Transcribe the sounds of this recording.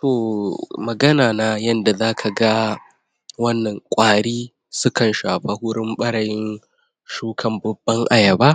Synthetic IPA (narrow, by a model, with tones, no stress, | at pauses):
toː˨mɐ˨ɡɐ˦naː˨na˨jɐ˦nda˨zaː˦kʰa˨ɡa˦ | wɐ˦nːɐ˨ŋkʷʼaː˨ɽiː˦ | sʊ˦kɐ˨nʃaː˨ɸa˦hʊ˦ɽɪ˦mɓɐ˦ɽɐ˨jɪ˦n | ʃuː˦kʰɐ˨mbʊ˨bːɐ˦ŋʔa˨jɐ˨baː˦